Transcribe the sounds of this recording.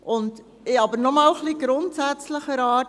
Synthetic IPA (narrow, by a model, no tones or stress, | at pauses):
ʔʊnd | ɪɑbəɾnɔmɑːlχliɡ̥ɾʊntsæt͡sləχəɾɑː